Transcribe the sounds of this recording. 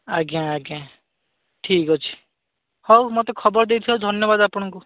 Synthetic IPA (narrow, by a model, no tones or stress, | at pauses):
aɡãaɡã | ʈʰikɔt͡ʃʰi̥ | hɔwmot̪ekʰɔbɔɾd̪ejt̪ʰiɔwd̪ʱɔnjɔbad̪apɔɽ̃ɔŋku